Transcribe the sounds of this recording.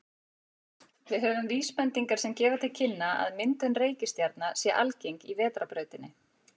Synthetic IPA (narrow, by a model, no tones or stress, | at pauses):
vɪðɦɛvʏmviːspɛnt̪iŋkaɾsɛmcɛːvat̪ʰɪlcʰɪnːaa̰ðmɪnt̪ʏnreːjcɪst̪jaɾt̪nasjɛʔa̰lcejŋkivɛːt̪ɾapɾœːɥt̪ɪnːɪ